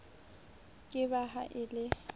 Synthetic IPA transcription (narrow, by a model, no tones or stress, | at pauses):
kʼɪbaɦa̰ʔɪlɪ